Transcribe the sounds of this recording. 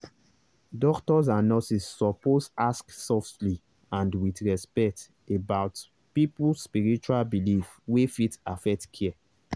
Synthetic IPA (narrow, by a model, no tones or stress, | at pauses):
dɔktɔz̬ãnːɔsisːɔposasksɔftli | ãndwitɹɛspɛk̚t | ebaʊt | pipulspiɹit͡ʃualbilif | wefitafɛk̚tkʰɛɛ